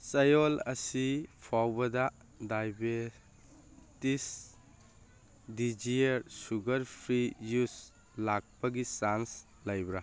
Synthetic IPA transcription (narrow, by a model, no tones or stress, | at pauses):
t͡ʃɐjolɐsipʰawbɐda | dajbe | tis | did͡ʒieɾsuɡɐɾpʰɾijus | lak̚paɡisans | lajbɾa